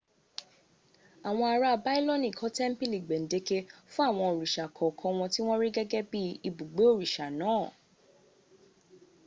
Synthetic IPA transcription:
a˨w̃ɔ̃˧a˧ɾa˧˨ba˦i˦lɔ˦nĩ˦˨kʰɔ˨˦tɛ˦m̩˦pi˦li˨ɡ͡be˨n̩˨de˧ke˧fũ˦a˦˨w̃ɔ̃˧o˨ɾi˨ʃa˨kʰɔ˨kʰɔ̃˧w̃ɔ̃˧ti˦w̃ɔ̃˦ɾi˦ɡɛ˦ɡɛ˦bi˦i˧bu˨ɡ͡be˨˦o˦˨ɾi˨ʃa˨nãː˨˦˨

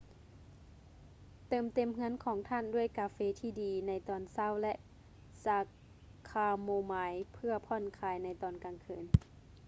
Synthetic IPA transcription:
t̪ɤː˧˩mt̪e˧˨mŋɯ˧˥ə˨nkʰɔː˨˦ŋt̪ʰa˧˥˨ndu˥˩əjkaː˧feː˧˦t̪ʰiː˧˩diː˨˦na˧˥jt̪ɔː˨˩nsa˧˥˨wlɛ˧˥ʔ | saː˨˦ | kʰaː˧moː˧maː˨˦jpʰɯ˧ɐpʰɔ˧˥˨nkʰaː˨˧˦jna˧˥jt̪ɔː˧˩˨nkaː˨˩ŋkʰɯ̰ː˧˨n

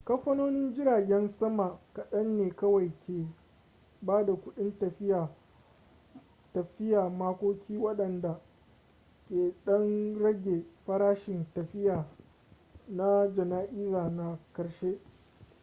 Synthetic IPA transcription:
kɐ˦ɸːɐ˦noː˦nɪ˦nd͡ʒɪ˦ɾaː˨ɡʲɛ˦nsɐ˦ma˨ka˨ɗɐ˦nːeː˨kɐ˦wa˨jkʲeː˨ | baː˦da˨kʷʊ˦ɗɪ˦ntɐ˨ɸɪ˦jaː˨ | tɐ˨ɸɪ˦jaː˨maː˦kʷoː˦kʲʰiː˦wɐ˦ɗɐ˨nda˨ | kʲeː˨ɗɐ˦nɽɐ˦ɡʲe˨ɸɐ˦ɾaː˦ʃɪ˨ntɐ˨ɸɪ˦jaː˨ | na˦d͡ʒɐ˨naː˦ʔiː˦zaː˨na˦kɐ˨ɽʃeː˦

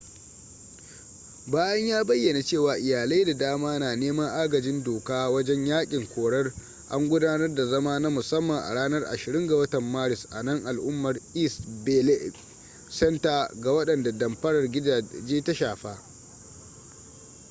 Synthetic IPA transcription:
baː˦jɐ˦ɲjaː˦bɐ˦jːɐ˨na˨t͡ʃeː˦˨waː˨ʔɪ˨jaː˨lɐ˦da˨daː˦maː˦naː˨neː˦mɐ˦ŋʔaː˦ɡɐ˨d͡ʒɪ˦ndoː˨kaː˦wɐ˦d͡ʒɛ˦ɲjaː˦kʲʼɪ˨ŋkʷoː˨ɽɐ˦r | ʔa̰˦ŋɡʷʊ˦daː˦nɐ˦rda˨zɐ˦maː˦na˦mʊ˨sɐ˦mːɐ˨ŋʔa̰˨ɽaː˦nɐ˦rʔa̰˨ʃɪ˨ɾɪ˦ŋɡa˨wɐ˦tɐ˨mːaː˦ɾɪ˨sʔa̰˨nɐ˦ŋʔa˨lʔʊ˦mːɐ˨rʔi˦sbe˦le˦ | sɛ˦ntaː˨ɡa˨wɐ˦ɗɐ˨nda˨dɐ˨mɸɐ˦ɽɐ˨rɡʲɪ˦˨d͡ʒeː˦ta˦ʃaː˨ɸaː˦

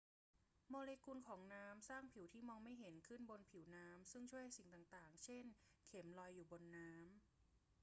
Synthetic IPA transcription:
moː˧leː˧ku˧nkʰɔː˩˦ŋnaː˦˥msaː˥˩ŋpʰi˩˦wt̪ʰiː˥˩mɔː˧ŋma˥˩jɦe˩˦nkʰɯ˥˩nbo˧npʰi˩˦wnaː˦˥msɯ˥˩ŋt͡ɕʰu˥˩əjha˥jsi˨˩ŋt̪aː˨˩ŋt̪aː˨˩ŋt͡ɕʰe˥˩nkʰe˩˦mlɔː˧jːuː˨˩bo˧nːaː˦˥m

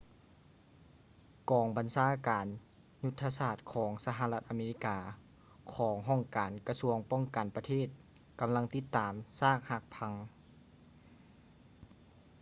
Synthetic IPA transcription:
kɔː˨˩ŋba˨nsaː˧˥kaː˨˩n | ɲu˧t̪ʰːa˧saː˧˩t̪̚kʰɔː˩˦ŋsa˧ɦa˧la˧t̪̚ʔa˨meː˧li˦˧˥kaː˧ | kʰɔː˩˦ŋɦɔ˧˥˩ŋkaː˨˩nka˧su˧əŋpɔ˥˩ŋka˨˩npa˧t̪ʰeː˥˩t̪̚ | ka˨˩mla˧˥ŋt̪i˧˥t̪ːaː˨˩msaː˥˩k̚ha˧˥k̚pʰa˧˥ŋ

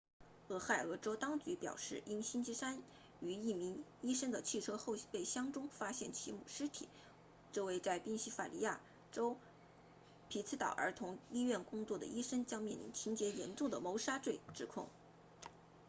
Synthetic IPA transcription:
ɤ˧˥˩xa˥˩ə˨˩ə˧˥ʈ͡ʂo˥ʊt̪ɑ˥ŋt͡ɕy˧˥pjɑ̰˨˩ʊʂɻ̩˥˩ʔi˥nɕi˥nt͡ɕʰi˥sa˥n | y˧˥i˥˩mi˧˥ŋi˥ʂə˥ŋd̪ə˨t͡ɕʰi˥˩ʈ͡ʂʰɤ˥xo˥˧ʊpe˥˩ɪɕjɑ˥ŋʈ͡ʂʊ˥ŋfa˥ɕjɛ˥˩nt͡ɕʰi˧˥mṵ˨˩ʂɻ̩˥t̪ʰḭ˨˩˦ | ʈ͡ʂɤ˥˧we˥˧ɪt͡sa˥˧ɪpi˥˩ŋɕi˥fa̰˨˩li˧˥ja̰˥˩ | ʈ͡ʂo˥ʊ | pʰi˧˥t͡sʰɹ̩˧˥t̪ɑ̰˨˩ʊʔə̰˞˧˥t̪ʰʊ˧˥ŋi˥ɥɛ˥˩nkʊ˥ŋt͡swɔ˥˩d̪ə̰˩ʔi˥ʂə˥ŋt͡ɕjɑ˥ŋmjɛ˥˩nlḭ˧˥ŋt͡ɕʰi˧˥nt͡ɕjɛ˧˥jɛ˧˥nʈ͡ʂʊ˥˩ŋd̪ə˩mo˧˥ʊʂa˥ʈ͡ʂwe˥˩˧ɪʈ͡ʂɻ̩˨˩kʰʊ̰˥˩ŋ

